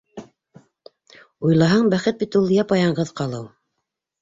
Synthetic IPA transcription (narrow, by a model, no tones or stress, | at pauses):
ujlˠɑɦɑɴbæχɘt̪̚bit̪ulˠjɑpɑjɑɴɢɤðqɑlˠɤw